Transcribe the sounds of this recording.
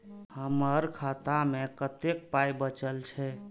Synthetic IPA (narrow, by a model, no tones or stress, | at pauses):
həməɾkʰat̪amekət̪ek̚pajbət͡ʃəlt͡ʃʰɛ